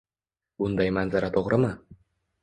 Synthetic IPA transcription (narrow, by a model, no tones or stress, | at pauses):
bʊnd̪ajmanzaɾat̪ʰoʁɾʔɪmɪ